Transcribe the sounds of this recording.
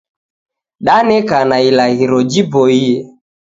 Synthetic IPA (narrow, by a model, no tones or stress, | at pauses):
ɗanɛkanailaɣiɾɔd͡ʒibɔiɛ